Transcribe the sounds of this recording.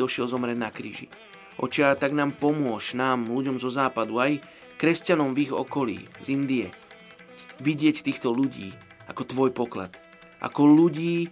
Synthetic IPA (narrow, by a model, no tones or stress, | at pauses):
ɔʃɪɛlzɔmɾɛnakɾḭːʒḭ | ʔɔ̰t͡ʃɪat̪aɡnaːmpɔmʊɔʃnaːmluɟɔmzɔzaːpad̪uaj | kɾɛscanɔmviɣɔ̰kɔlḭːzind̪iɛ | ʋiɟɪɛct̪iːxt̪ɔluɟḭː | a̰kɔt̪ʋɔjpɔkla̰t̪ | ʔa̰kɔluɟiː